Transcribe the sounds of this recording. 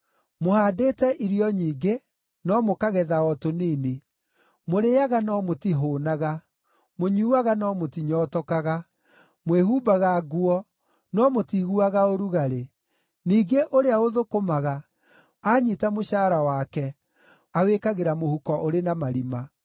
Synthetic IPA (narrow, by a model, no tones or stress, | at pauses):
mohaːdetɛʔiɾiɔɲiːɡe | nɔmokaɣɛðaɔtoniːne | moɾeaɣanɔmotiɦoːnaɣa | moɲuuaɣanɔmotiɲɔːtɔkaɣa | mweɦuːbaɣaɡuɔ | nɔmotiɣuaɣaoɾuɣaɾe | niːɡeʔoɾeaoðokomaɣa | aɲitamoʃaːɾawaːkɛ | awekaɣeɾamohukɔʔoɾenamaɾima